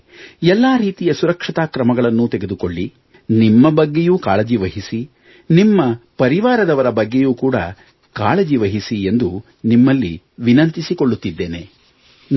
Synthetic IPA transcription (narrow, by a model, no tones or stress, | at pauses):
ɛlːaːɾiːt̪ijɐsuɾɐkʂɐt̪aːkɾɐmɐɡɐɭɐnːut̪ɛɡed̪uko̞ɭːi | nimːɐbɐɡːejuːkaːɭɐd͡ʒiʋɐɦisi | nimːɐpɐɾiʋaːɾɐd̪ɐʋɐɾɐbɐɡːejuːkuːɽɐ̰ | kaːɭɐd͡ʒiʋɐɦisie̞nd̪u | nimːɐlːi | ʋinɐnt̪isiko̞ɭːut̪ːid̪ːeːne̞̰